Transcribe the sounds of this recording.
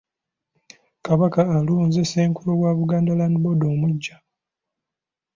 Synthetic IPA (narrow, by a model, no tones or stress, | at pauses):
kaβakaːluːnzeseːŋkulowaːβuɡaːndalanibo̞doːmuɟːa